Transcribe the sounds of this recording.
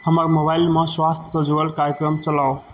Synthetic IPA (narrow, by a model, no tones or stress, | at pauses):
həməɾmobailmeswast̪ʰə̥sə̃d͡ʒoəlkaɾjəkɾəmt͡ʃəlao